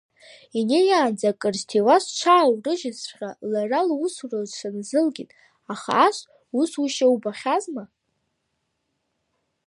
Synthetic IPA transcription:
inejaːnd͡zakʼɨrstʰiwast͡ʃʷʰaːwrɨʒɪsχʲʼalaralusurazt͡ʃʷʰanzɨlɡʲitʼ | aχa̰ːʃʷ | usuʃawbaχʲazma

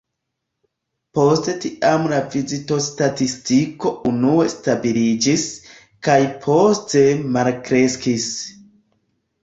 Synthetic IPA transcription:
po̞ste̞tiʔamlavizito̞statistiko̞unue̞stabilid͡ʒis | kajpʰo̞ste̞malkɾe̞skis

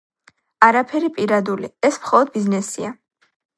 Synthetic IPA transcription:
aɾapʰɛɾipʼiɾad̪uliɛsmχɔlˠɔd̪̚biznɛsia

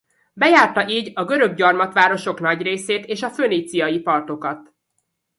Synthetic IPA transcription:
bɛjaːrt̪ɒʔiːɟɒɡø̞ɾø̞ɡɟɒrmɒt̪ʋaːɾo̞ʃo̞knɒɟreːseːt̪eːʃɒføːniːt̪sijɒjipɒrt̪o̞kɒt̪

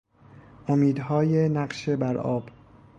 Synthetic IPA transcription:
ʔomiːd̪hɒːjenæɢʃebæɾʔɒ̰ːb̥

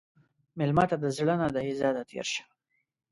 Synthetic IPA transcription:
mɪlmɑt̪ad̪əzɽənad̪aizɑd̪at̪ʰḛɾʃḁ

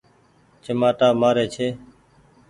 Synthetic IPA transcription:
t͡ʃəmaːʈaːmaːɾeːt͡ʃʰeː

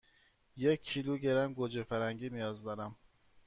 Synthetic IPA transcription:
jekʰːiluɟeɾænɡod͡ʒefæɾæŋɟiːnijɒːzd̪ɒːɾæm

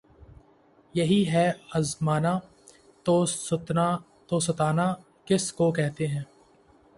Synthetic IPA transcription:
jɐɦiɦɛɐzmaːna | t̪oʊt̪na | t̪osɐt̪aːnaː | kɪskokɛɦt̪eɦɛ̃ː

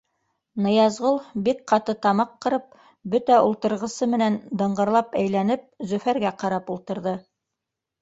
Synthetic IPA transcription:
nɤ̆jɑzʁolˠbik̚qɑt̪ɤt̪ɑmɑqːɤ̆ɾɤp̚ | bɵt̪æulˠt̪ɤ̆ɾʁɤ̆sɤmɘ̆nænd̪ɤ̆ɴɢɤ̆ɾlˠɑpæjlænɘp̚zɵ̆fæɾɡæqɑɾɑpulˠt̪ɤ̆ɾðɤ

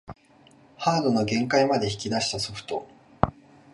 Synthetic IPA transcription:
haːd̪o̞no̞ɡẽ̞ŋkaimad̪e̞çi̥kʲid̪aɕi̥t̪aso̞ɸɯ̟̥t̪o̞̰

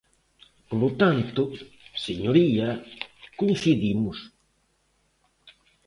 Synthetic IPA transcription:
polut̪ant̪ʊ | seɲoɾiɐkun̟θiðimʊs

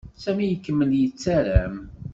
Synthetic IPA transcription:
sæmijəkːəmːəljət͡sːæɾæm

